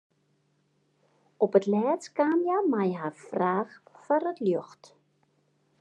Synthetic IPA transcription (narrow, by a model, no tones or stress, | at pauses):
ɔpətlɛːt͡skaːmjamajɦaːrfraːxfarətljøxt